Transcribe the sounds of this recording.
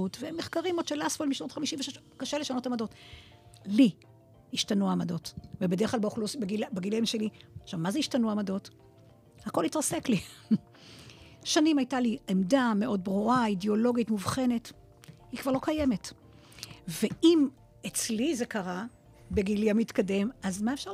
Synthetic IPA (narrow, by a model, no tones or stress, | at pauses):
utveemːeχkaʁimodʃelasfolmiʃno̞tχamiʃimveʃeʃ | kaʃeleʃano̞tamado̞t | li | hiʃtanuamado̞tvebedeʁklalbχlusbeɡilbeɡiliamʃeliʃavmazeiʃtanuamado̞t | hako̞litʁasekli | ʃanimajtaliemdameʔo̞d̚bʁuaideo̞lo̞ɡitmuvχe̞ne̞t | hikv̥aʁlo̞kajeme̞t | ve̞im | et͡slize̞kaʁa | beɡiliamitkade̞mazmaefʃa